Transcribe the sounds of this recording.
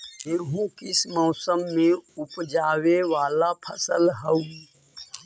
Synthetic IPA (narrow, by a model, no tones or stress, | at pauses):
eːɦũːkɪsmɔːsəmːẽʊpd͡ʒaːʋeʋaːlapʰəsəlɦəũ